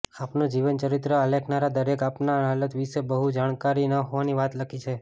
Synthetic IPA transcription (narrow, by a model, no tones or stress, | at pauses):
apnod͡ʒiʋənt͡ʃəɾɪt̪ɾəalekʰnaɾad̪əɾekapnaɦalət̪ʋisebəɦud͡ʒaɽ̃kaɾinəɦoʋaniʋat̪lakʰit͡ʃʰe